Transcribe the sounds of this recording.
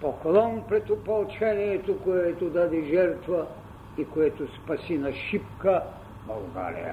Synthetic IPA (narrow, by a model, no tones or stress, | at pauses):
pokolˠɔnpɾɛt̪ʊpɐlˠt͡ʃɛniɛt̪okoɛt̪od̪ad̪ɛʒɛɾt̪vɐ | ikoɛt̪ʊspɐsinɐʃip̚kɐ | bɐlˠɡa̰ɾḭjɐ̰